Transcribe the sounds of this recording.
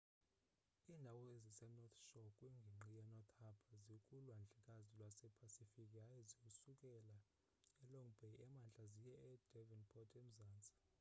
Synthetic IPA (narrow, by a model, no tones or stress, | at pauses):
iːndʱawɔezisɛnɔt̪ʰʃɔkʼweŋɡʱiŋ͡ǃijɛnɔt̪ʰʼhapʰazikʼulwand͡ɮʱɛkʼazilwasɛpʰasifikʼiajizikusukʼɛla | ɛlɔŋbʱɛɛmand͡ɮʱʼazijɛɛd̥ʱɛvinpʰɔtʰʼem̩zaːnt͡sʼḁ